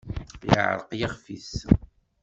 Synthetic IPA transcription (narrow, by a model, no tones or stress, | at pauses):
j̰ə̰ʕɾˤəqjaχfis